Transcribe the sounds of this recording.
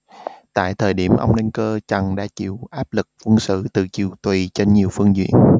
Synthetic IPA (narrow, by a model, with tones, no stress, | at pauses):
t̪a̰ː˧˨jt̪ʰəː˨˩jɗi˧˩əmʔə̰˧wŋ͡mɗɛ˧ŋkəː˧t͡ɕə˨˩ŋɗa̰ː˧˥t͡ɕḭ˧˨wʔaː˦˥p̚lɨ˨˩k̚fɨ˧əŋsɨ̰˧˨t̪ɨ˨˩t͡ɕi˨˧˩əwt̪wi˨˩t͡ɕe˧nɲi˨˩əwfɨ˧əŋzḭ˧˨ən